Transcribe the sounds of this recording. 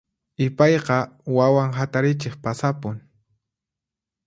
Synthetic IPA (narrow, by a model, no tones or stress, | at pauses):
ɪpɑjqɑwawaŋɦat̪aɾɪt͡ʃeχpasapʊŋ